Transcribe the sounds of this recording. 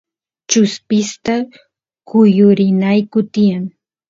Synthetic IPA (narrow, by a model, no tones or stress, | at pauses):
t͡ʃʊspɪst̪a | kʊjʊɾɪnajkʊt̪ɪjaŋ